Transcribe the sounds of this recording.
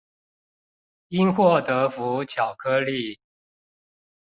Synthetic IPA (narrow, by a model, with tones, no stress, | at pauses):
i˦˥nxwɔ˥˨t̪ɤ˨˦fu˨˦t͡ɕʰjɑ˨˩ʊkʰɤ˦li˥˨